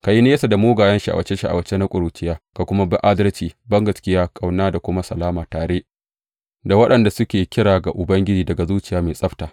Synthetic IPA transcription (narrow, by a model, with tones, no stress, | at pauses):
ka˨ji˦ne˦sa˨da˨moː˦ɡaː˨jɐ˦nʃi˦ʔa̰˨wɐ˦t͡ʃe˦ʃi˦ʔa̰˨wɐ˨˦t͡ʃe˦na˦kʷʼʊ˨ɾuː˨t͡ʃɪ˦jaː˦ka˨kʷʊ˦ma˦bɪ˦ʔa˦dɐ˦rt͡ʃiː˨bɐ˦ŋɡɐ˨skʲɪ˦jaː˦kʼa˨wnaː˦da˨kʷʊ˦ma˦sɐ˨laː˦maː˨taː˨ɽeː˦ʔ | da˨wɐ˦ɗɐ˨nda˨sʊ˦kʲeː˨kʲɪ˦ɽaː˨ɡa˨ʔʊ˨bɐ˦ŋɡʲɪ˦d͡ʒiː˨dɐ˨ɡa˨zuː˦t͡ʃɪ˦jaː˦meː˨sʼɐ˦ɸtaː˨